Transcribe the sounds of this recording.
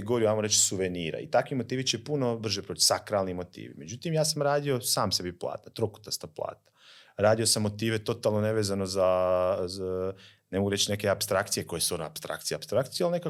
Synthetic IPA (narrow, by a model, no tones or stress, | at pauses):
ɡo̞ɾiuajmoɾet͡ʃsuʋeniːɾa̰ḭt̪akʋimo̞t̪iːʋit͡ʃe̞puno̞br̩ʒepɾot̪i̥sakɾalnimo̞t̪ḭːʋḭme̞d͡ʒut̪imjaːsamɾaːd̪io̞saːmse̞biplˠa̰ːt̪nat̪ɾoku̥t̪ast̪aplˠa̰ːt̪naɾaːd̪ijo̞samːo̞t̪iːʋe̞t̪o̞t̪alˠno̞neʋezano̞za | nemoɡuɾet͡ʃne̞ke̞apst̪ɾakt̪sije̞ko̞jesuonoa̰pst̪ɾa̰kt̪sijapst̪ɾakt̪sijalneka